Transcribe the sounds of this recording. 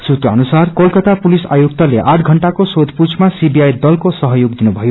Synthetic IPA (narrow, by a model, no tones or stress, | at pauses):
sut̪rʌʌnusarkʌlkʌt̪apulisa̰jukt̪ʌleʔaʈʰɡʱʌɳʈakosod̪ʱput͡sʰmasibijajd̪ʌlkosʌɦʌjoɡd̪inubʱʌjo